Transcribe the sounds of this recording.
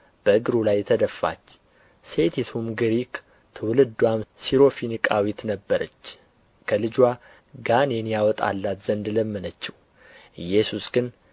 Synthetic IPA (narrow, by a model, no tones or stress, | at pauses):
b̥əɨɡɨɾulajt̪ʰəd̪əfːa̰t͡ʃː | set̪ʰit̪ʰumɡɨɾikʰ | t̪ʰɨwlɨd̪ːwamsiɾo̞finikʼawit̪nəbːəɾʔət͡ʃː | kʰəlɨd͡ʒwa | ɡanɛnjawɔt̪ʼa̰lːat̪z̥ənd̪ləmːənət͡ʃːɪw | ɨjɛsusɡɨn